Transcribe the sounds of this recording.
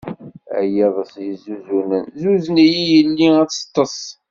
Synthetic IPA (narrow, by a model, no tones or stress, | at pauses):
æ̰jiðˤəsjizuzunənzuzənijijəlːiæt͡sːə̥t̪ˤːəsˤ